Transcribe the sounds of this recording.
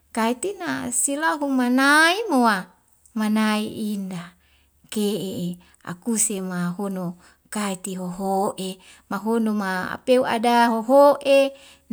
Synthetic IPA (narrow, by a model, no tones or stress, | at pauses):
kait̪ina̰silaɦumanaimowa | manaiʔinda | keʔee | a̰kusemaɦono | kait̪iɦoɦoʔe | maɦonomaa̰peua̰daɦoɦoʔe